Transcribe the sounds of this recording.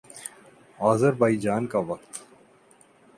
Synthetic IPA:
aːzəɾbaːid͡ʒaːnkaʋɐk̚t̪

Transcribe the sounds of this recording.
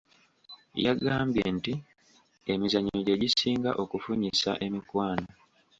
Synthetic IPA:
jaɡaːmbjenti | e̞mizaɲioɟe̞ɟisiːŋɡaʔo̞kufuɲisa̰ʔe̞mikwaːna

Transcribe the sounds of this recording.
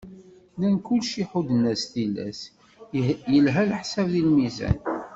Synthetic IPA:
lænkʊlʃiħud̪ənæsθilːæ̰s | jəlɦælħsævðilmizæ̰n

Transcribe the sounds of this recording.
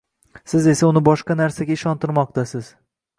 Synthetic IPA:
sɪze̞saʊnɪbɒʃqɑnaɾsaɡʲaɪʃɒnt̪ɪɾmɒq̚t̪asɪz̥

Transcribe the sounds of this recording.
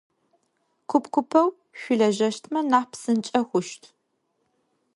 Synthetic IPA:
kʷʰʊpkʷʊpʰɐw | ɕʷʊɮɐʒɐʃtʰmɐnaːpsɨnt͡ʃʼɐxʷʊʃtʰ

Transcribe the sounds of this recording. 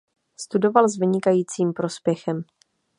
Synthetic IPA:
st̪udo̞valzvɪɲɪkajiːt͡siːmpɾo̞spjɛxɛm

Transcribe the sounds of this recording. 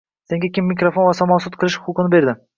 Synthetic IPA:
se̞ŋɡʲakʲɪmːikɾofonvɒsɒmɒsʊt̪̚qʰɨlˠɪʃʊqʰʊqʰɨnɪbe̞ɾd̪ɪ

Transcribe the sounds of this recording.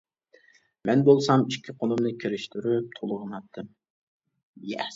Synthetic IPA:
mɛnbolˠsɑmiʃkʲʰːiqʰonumnɨkʲʰiɾɪʃt̪ʰyɾyp̚t̪ʰolˠəʁənɑt̪ʰːɨm | jɛ

